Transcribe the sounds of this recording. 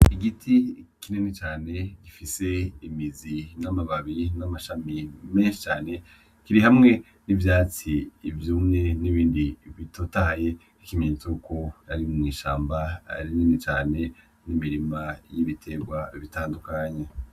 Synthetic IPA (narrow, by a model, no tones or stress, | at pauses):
iɡitʰikinenet͡ʃaːne̞ɡifise̞imizinamaβaβinamaʃamime̞ːnʃi̥t͡ʃaːne̞ | kiɾihamŋe̞ | nivjaːt͡siːvjuːmŋe̞niβiːndiβitotaje̞ | ikimeɲtukojaɾimŋiːʃa̰ːmbaa̰ɾininet͡ʃaːne̞ | nimiɾimajiβitʰe̞ɡwaβitaːndukaɲe